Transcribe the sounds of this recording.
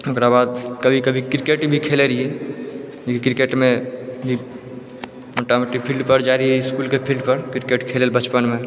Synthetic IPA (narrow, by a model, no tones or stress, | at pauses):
ʊkɾabaːd̪kəbʱikəbʱikɾɪkeʈbʱikʰeːleɾie | okikɾɪkeːʈmẽbʱi | ɔʈameʈik̚pʰilɖpəɾd͡ʒaːɾiɛɪskuːlkepʰilɖpəɾkɾikeʈkʰeːlelbət͡ʃpənmẽ